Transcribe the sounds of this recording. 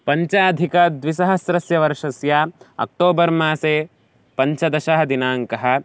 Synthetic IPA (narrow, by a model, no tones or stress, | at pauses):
pɐɲt͡ʃaːd̪ʱikɐd̪ʋisɐɦɐsɾɐsjɐʋɐɾʂɐsjaːɐ̰k̚ʈoːbɐɾmaːseː | pɐɲt͡ʃɐd̪ɐʃɐɦɐd̪inaːŋkɐɦɐ̆